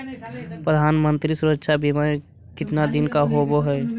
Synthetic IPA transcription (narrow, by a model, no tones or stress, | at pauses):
pɾəd̪ʱaːnmənt̪ɾisuɾətːʃʰabʱimẽ | kɪt̪nad̪ɪnkaɦoboɦɛː